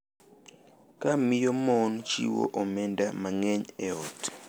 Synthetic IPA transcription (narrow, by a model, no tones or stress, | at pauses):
kamɪjomɔnt͡ʃḭwo̰ʔomɛndamaŋɛɲɛɔt